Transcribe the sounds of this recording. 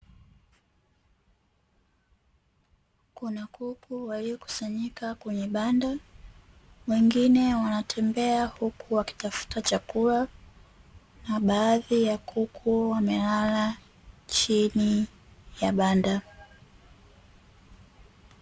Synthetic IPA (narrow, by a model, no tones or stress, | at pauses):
kunakukuwaliɔku̥saɲikakwɛɲɛɓanda | wɛŋɡinɛwanatʰɛmbɛahukuwaki̥tafu̥tat͡ʃakula | naɓaːðijakʰukʰuwamɛlala | t͡ʃini | jaɓanda